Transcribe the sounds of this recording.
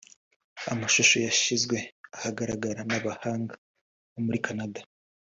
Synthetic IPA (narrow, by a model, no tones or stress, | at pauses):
a̰maʃuʃojaʃizɡwe̞ahaɡaɾaɡaɾanaβahaːŋɡḁ | βomuɾikanada